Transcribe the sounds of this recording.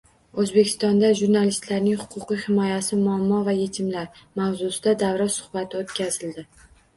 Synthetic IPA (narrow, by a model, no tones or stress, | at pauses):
ɵzbe̞kʲʰɪ̥st̪ɒnd̪aʒuɾnalɪst̪laɾnɪŋhʊ̥qʰʊqijhɪmɒjasɪmʊamːɒvaje̞t̪ʰɪmlaɾmawzʊsɪd̪ad̪avɾasʊ̥χbat̪ʰɪot̪kʲazɪld̪ɪ